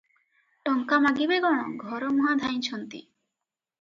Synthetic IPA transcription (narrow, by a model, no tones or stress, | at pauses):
ʈɔŋkamaɡibeɡɔɽ̃ɔɡʱɔɾɔmɔɦad̪ʱaj̃t͡ʃʰɔnt̪ḭ